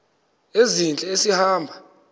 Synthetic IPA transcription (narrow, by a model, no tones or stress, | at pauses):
ezint͡ɬʼɛesihaːmbʱa